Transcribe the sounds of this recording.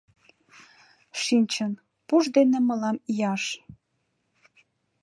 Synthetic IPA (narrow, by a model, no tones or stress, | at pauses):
ʃinʲt͡ɕən | puʒd̪eneməlɑmijɑʃ